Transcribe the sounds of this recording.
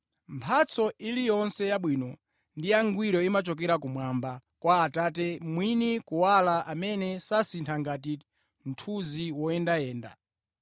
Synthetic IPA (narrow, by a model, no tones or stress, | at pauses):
mpʰat͡sʰɔilijɔnsɛjaɓwiːnɔ | ndijaŋɡwiɾɔimat͡ʃɔk̬ɛɾakumwambakwaːtatɛmwinikuwalaʔamɛnɛsasintʰaŋɡat̬i | n̩tʰuziwɔɛndajɛːnda̰